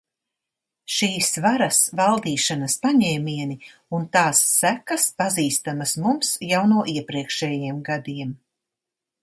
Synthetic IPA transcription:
ʃiːsvaɾɐsvalˠd̪iːʃanɐspaɲɛːmʲiɛni | unt̪aːsːækɐspaziːst̪amasmumsjawnuɔʔiɛpɾiɛkʃɛjiɛmɡad̪iɛm

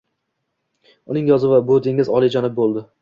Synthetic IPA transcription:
ʊnɪŋjɒzɪvabod̪eŋɪzɒlˠɪd͡ʒɒnɪp̚bolˠd̪ɪ

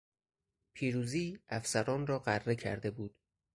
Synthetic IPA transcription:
pʰiːɾuːziːæfsæɾɒːnrɒːɢærːe̞cʰæ̰ɾd̪e̞buːd̪̥

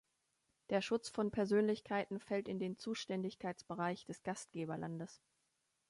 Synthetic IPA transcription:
d̥eːɐʃʊt͡sfɔnpʰɛɐzøːnlɪçkʰaɪtn̩fɛltɪndeːnt͡suːʃtɛndɪçkʰaɪt͡sb̥əʁaɪçd̥ɛsɡ̥ast̚ɡ̥eːbɐlʔandəs

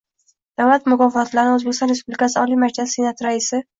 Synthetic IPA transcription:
d̪̥avlat̪mʊkɒfɒɒt̪laɾɪozbekʲɪst̪ɒnɾes̬publikʲasɪɒlimad͡ʒlasːe̞nat̪ɾaisɪ

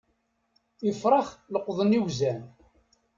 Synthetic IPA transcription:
jəfɾˤɑχləqːðˤəniwzæn

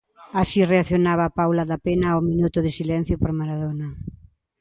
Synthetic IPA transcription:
asireaθjonaβ̞ɐːpawlɐðapenɐominut̪ʊðɪsilɛn̟θjʊpoɾmaɾaðonɐ

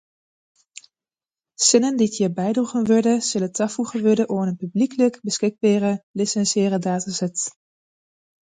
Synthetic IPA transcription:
sɪnəndiətjiːɹbɛjdruχənʋøɹdəz̥ɵlətɑfuχənʋʏɹdəʔoːənənpyblikələkbəskɪɡ̚baːrəlɪsɛnsjɪːrədaːtasɛt

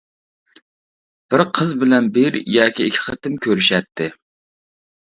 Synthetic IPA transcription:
b̥ɪɾqʰəzbɪlɛnbɪɾjɑːkʲiːkʲʰɪ̥χʰət̪ɪmkʲʰøɾyʃɛt̪ʰːɪ

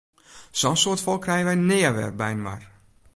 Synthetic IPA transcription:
sɔnsoːtfɔlˠkrɛjəʋɛjnɪːəʋɛ̰rbɛjnma̰r

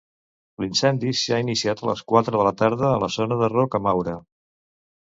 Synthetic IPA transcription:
linsɛnd̪isiainisiat̪ələ̰skwat̪ɾəðələt̪aɾð̞əːləzɔnəðərɔkəmawɾə

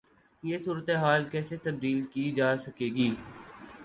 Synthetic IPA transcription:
jeːsuːɾət̪eɦaːlkɛːset̪ɐb̚d̪iːlkid͡ʒaːsɐkeːɡiː

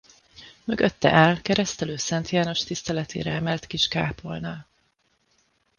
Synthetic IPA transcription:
møɡøt̪ːɛ̰ʔɛlkɛɾɛst̪ɛløːsɛnt̪jaːno̞ʃt̪ist̪ɛlɛt̪ʰḛːɾɛɛmɛlt̪kiʃkaːpo̞lnal

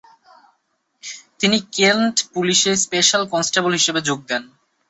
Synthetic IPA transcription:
t̪inikelʈpuliʃespeʃalkɔnsʈabolɦiʃebed͡ʑoɡ̚d̪ɛn

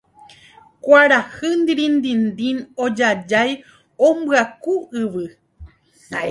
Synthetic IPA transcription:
kʷaɾahɨnd̪iɾĩnd̪ĩnd̪ĩnod͡ʒad͡ʒaj | õmbɨakuɨʋɨ

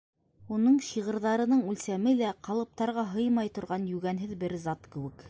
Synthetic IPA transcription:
unɤɴɕiʁɤ̆ɾðɑɾɤ̆nɤɴʉlsæmɘlæqɑlˠɤ̆p̚t̪ɑɾʁɑɦɤjmɑjt̪ŏɾʁɑnjʉɡænɦɘðbɘɾzɑt̪kɘ̆wɘk

